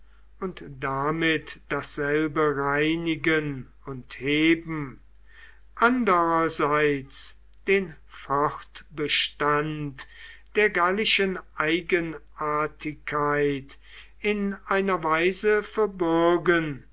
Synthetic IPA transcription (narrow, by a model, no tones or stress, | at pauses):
ʊntd̥amɪtd̥asz̥ɛlbəʁaɪnɪɡən | ʊntheːbm̩ | ʔandəʁɐzaɪt͡s | d̥eːn | fɔχtb̥əʃtantd̥eːɐɡalɪʃənʔaɪɡənʔaɐtʰɪkʰːaɪt | ɪnʔaɪnɐvaɪzəfɛɐbɔɐɡən